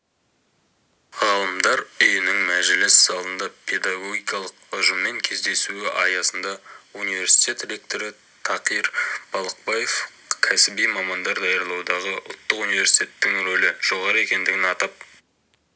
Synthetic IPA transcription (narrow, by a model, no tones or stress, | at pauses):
ʁɑlˠəmd̪ɑɾʏjɪnɪŋmæʒɪlɪsːɑlˠənd̪ɑpʰe̞d̪ɑɡo̞ɡʲijkɑlˠəqʊʒəmːe̞ŋkʲʰe̞zd̪e̞suɪʔɑjɑsənd̪ɑunijvʲe̞ɾsi̥jt̪ʲe̞t̪ɾʲe̞k̚t̪o̞ɾɪ | t̪ʰɑqijɾb̥ɑlˠəq̚bɑje̞f | kʲʰæsɪbijmɑmɑnd̪ɑɾd̪ɑjəɾlˠɑwd̪ɑʁəʔʊ̰lˠt̪ːəqunijvʲe̞ɾsi̥t̪ʲe̞t̪ːɪŋɾolɪʒ̥o̞ʁɑɾəe̞kʲe̞nd̪ɪɡʲɪnɑt̪ɑp̚